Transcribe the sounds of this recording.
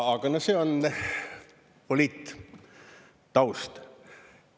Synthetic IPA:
ɑɡ̥ɑnoseːon | polʲiːt̪ː | t̪ɑwst̪

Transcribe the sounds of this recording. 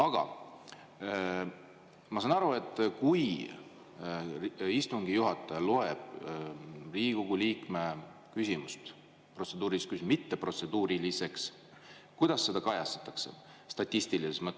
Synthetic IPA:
ɑɡ̥ɑ̰ | mɑsɑnɑɾue̞t̪ːˑkuj | ist̪uŋɡ̥ijuɦɑt̪ːˑɑjɑlo̞eb̥ | riːɡ̥uɡ̥uliːkme̞ | kysʲimust̪ | pro̞t̪se̞d̪uːɾiskysmit̪ːe̞pro̞t̪se̞d̪uːɾilise̞ks | kujd̪̥ɑsːe̞d̪̥ɑkɑjɑst̪ɑ̥t̪ːˑɑkse̞̰ | st̪ɑt̪ʲːˑist̪ilisesmɤt̪ːˑ

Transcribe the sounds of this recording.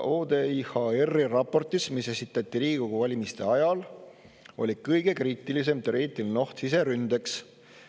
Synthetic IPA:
oːd̪e̞ihɑerːirɑpːˑo̞rt̪ismise̞sit̪ːˑɑt̪ːˑiliːiɡ̥oɡuvɑlʲimist̪e̞ɑjɑl | o̞̰lʲikɤjɡ̥e̞kriːt̪ːˑilis̬e̞mt̪eɾiːt̪ːˑilno̞ht̪sise̞ɾynd̪̥e̞ks

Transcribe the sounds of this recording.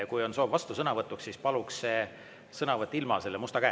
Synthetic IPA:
kujo̞nso̞ːvvɑst̪usɤnɑvɤt̪ːˑukssiːspɑlukse | sɤnɑvɤt̪ːˑilmɑse̞lːemust̪ɑkæː

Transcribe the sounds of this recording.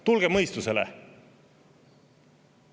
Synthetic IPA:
t̪ulɡ̥e̞mɤjst̪use̞lḛ

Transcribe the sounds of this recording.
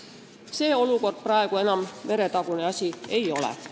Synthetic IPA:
se̞ːo̞luko̞rd̪̥̚prɑe̞ɡ̥ue̞nɑmme̞ɾe̞t̪ɑɡ̥uneɑsʲie̞jo̞lɛ̰

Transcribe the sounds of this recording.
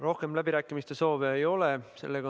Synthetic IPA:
ro̞hke̞mlæb̥iɾæːkːˑimist̪e̞so̞ːveejo̞lese̞̰lːeɡɑ

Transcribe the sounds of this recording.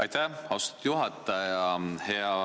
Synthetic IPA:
ɑjt̪æhɑwst̪ɑ̥t̪juɦɑt̪ˑːɑjɑheɑ

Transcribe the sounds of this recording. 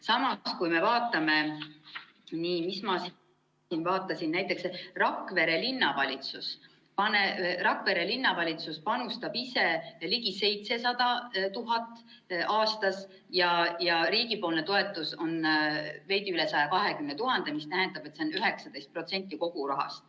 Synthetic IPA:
sɑmɑskujme̞vɑːt̪ːˑɑme̞ | niːmismɑs | invɑːt̪ːˑɑsinnæjt̪ːˑe̞ksrɑkːˑve̞ɾe̞linːɑvɑlʲit̪sus | pɑnerɑkːˑve̞ɾe̞linːɑvɑlʲit̪suspɑnust̪ɑb̥ise̞liɡise̞jt̪se̞sɑd̪ɑt̪uɦɑt̪ːˑ | ʔɑːst̪ɑs | jɑjɑɾiːɡipo̞ːlnet̪o̞e̞t̪ːˑuso̞nve̞jd̪iyle̞sɑjɑkɑɦe̞kymnet̪uɦɑnd̪emist̪æɦɛnd̪̥ɑb̥et̪se̞o̞nyɦe̞ksɑd̪ejst̪̚pro̞t̪se̞nʲt̪ːˑiko̞ɡ̥uɾɑɦɑ̰st̪̚

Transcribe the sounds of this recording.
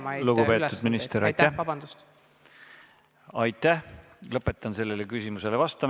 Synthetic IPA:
luɡupe̞ːt̪ːˑudd̪minist̪eɾɑt̪ːæbɑnd̪̥ust̪ | ɑjt̪ːˑæh | lɤpːˑe̞t̪ːˑɑnse̞lːe̞lekysʲimuse̞levɑst̪ɑm

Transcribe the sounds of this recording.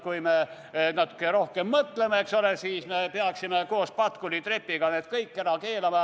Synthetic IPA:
kujme | nɑt̪ːˑu̥kːeɾo̞hkemːɤt̪le̞meekso̞lesiːsme̞peɑksimeko̞ːspɑt̪kulit̪re̞pːiɡ̥ɑned̪̥kɤjkːeɾɑke̞ːlɑmɑ

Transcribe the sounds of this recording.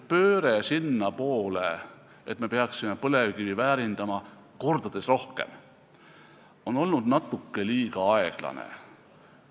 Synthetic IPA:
pø̞ːɾesinːɑpo̞ːle | et̪me̞peɑksimepɤle̞vkivivæːɾind̪̥ɑmɑ | ko̞rd̪̥ɑd̪̥e̞sro̞hke̞̰m | o̞no̞lnud̪̥nɑt̪ːˑukːe̞liːɡ̥ɑɑe̞ɡ̥lɑ̰nḛ

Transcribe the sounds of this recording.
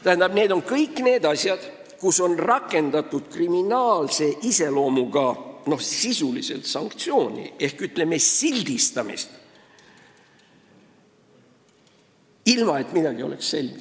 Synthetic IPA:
t̪æhænd̪̥ɑb̥ne̞ːd̪o̞nkɤjkːˑne̞ːd̪ɑsʲjɑd̪̥ | kuso̞nrɑkːˑe̞nd̪̥ɑt̪ːˑud̪̥kriminɑːlse̞ʔise̞lo̞ːmuɡ̥ɑno̞hsisulise̞̰lt̪sɑŋkt̪sio̞ːnʲḭe̞hkyt̪ːˑlemːe̞silʲd̪ist̪ɑmḭst̪ | ilmɑe̞t̪mid̪ɑɡ̥io̞̰le̞ksse̞lʲɡ̥i

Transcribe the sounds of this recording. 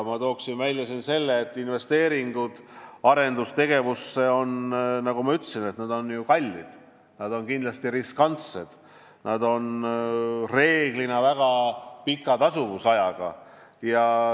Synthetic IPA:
mɑt̪o̞ːksinvælʲjɑsinse̞lːeːt̪ːˑinve̞st̪e̞ːɾiŋɡ̥ud̪̥ɑɾe̞nd̪ust̪e̞ɡ̥e̞vusːe̞o̞nnɑɡ̥umɑyt̪ːˑsine̞t̪nɑd̪̥o̞njukɑlʲːid̪̥ | nɑd̪o̞nkind̪lɑst̪iriskɑnt̪sed̪̥ | nʔɑd̪o̞n | re̞ːɡ̥linɑvæɡ̥ɑpikːˑɑt̪ɑsuvusɑjɑɡ̥ɑ̰ | jɑ

